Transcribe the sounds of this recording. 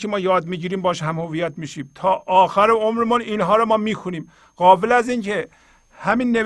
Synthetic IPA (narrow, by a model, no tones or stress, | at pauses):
emɒːjɒːd̪miːɟiːɾiːmbɒːʃhæmhovijæt̪miːʃiːmt̪ʰɒːʔɒːxæɾeomɾemuniːnɦɒːɾɔmɒːmiːxʰoniːm | ɣ̥ɒːbelæzincʰe | hæmiːnːe